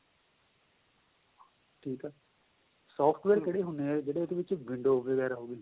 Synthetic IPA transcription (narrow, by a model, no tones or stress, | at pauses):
ʈʰiːkɦɛː | sɔːpʰʈʰʋɛːɾkeɽeːɦʊneːɛːd͡ʒeːɽeːd̪eːʋɪt͡ʃʋɪ̃ɳɖoːʋeːɡɛːɾaːɦoːɡeː